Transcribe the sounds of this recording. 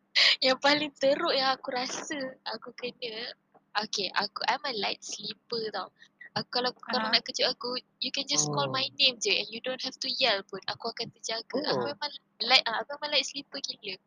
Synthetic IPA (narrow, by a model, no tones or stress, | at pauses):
jaŋpalɪŋt̪əɾʊʔjaakuɾasəakukənə̃ | ʔokeʔa̰kuʔajmalajt̪̚slipət̪awakukalakalanaʔkəd͡ʒʊʔaku | jukɛnd͡ʒaskɔlmajnẽmd͡ʒəʔɛ̰̃njudõnthɛftujɛlpʊna̰kuakant̪əd͡ʒaɡəʔa̰kuama | lajt̚ʔaakuamalajt̪̚slipəkilə